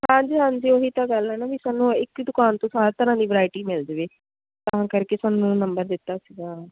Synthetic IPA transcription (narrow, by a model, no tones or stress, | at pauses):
hãːd͡ʒiːɦãːnsiːoːɦiːt̪ãːɡəlɛːnaːʋisaːnːũːɪkd̪ʊkaːnt̪õːsaːɾt̪əɾãːd̪iːʋəɾaːɪʈiːmɪld̪ʋeː | t̪əɦãːkəɾkeːsaːnũːnəmbəɾd̪ɪt̪ːaːsiɡaː